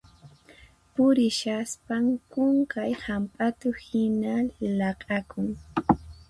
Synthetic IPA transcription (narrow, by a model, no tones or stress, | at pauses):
pʊɾɪʃaspaŋkʊŋkajhampʼat̪ʊhɪnalɑqʼakʊŋ